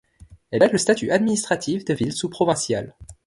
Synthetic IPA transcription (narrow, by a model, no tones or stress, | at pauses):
ɛlaləst̪at̪yʔad̪minist̪χat̪ʰifd̪əvilsupχɔvɛ̃sjal